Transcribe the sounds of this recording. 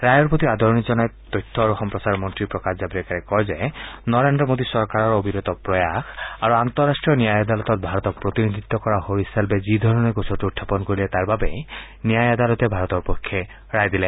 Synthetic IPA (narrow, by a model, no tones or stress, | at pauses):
ɾajɔɾpot̪iad̪ʱɔɾnid͡ʒɔnajt̪ːɔjt̪ʰːɔaɾuxɔmpɾɔsaɾmɔntɾipɾɔkaszabiɾekaɾɛkɔjzajnɔɾend̪ɾɔmod̪isɔɾkaɾɔɾobʱiɾɔt̪ɔpɾɔjaxaɾuant̪ɔɾːasʈɹiɔnijajad̪alɔt̪ɔt̪̚bʱaɾɔt̪ɔk̚pɾot̪inid̪ʱit̪ːɔkɔɾaɦoɾisalbezid̪ʱɔɾɔneɡosɔʈuutʰːapɔnkoɾilet̪aɾbabej | nijajad̪alɔt̪ebʱaɾɔt̪ɔɾpɔkʰːje | ɾajd̪ile